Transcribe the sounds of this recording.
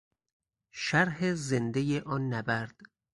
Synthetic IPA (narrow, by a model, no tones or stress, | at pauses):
ʃæɾɦezend̪ejeʔɒːnːæbæɾd̪̥